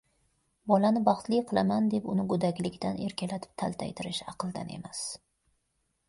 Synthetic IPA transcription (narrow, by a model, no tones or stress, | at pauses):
bɒlanɪbɑχt̪lˠɪjqʰɨlˠamand̪e̞pʊnɪɡʊd̪akʲlɪkʲt̪ane̞ɾkʲʰalat̪ʰɪ̥p̚t̪ʰa̰lˠt̪ʰa̰jt̪ʰɪɾɪʃɑqʰɨlˠd̪a̰ne̞̰mas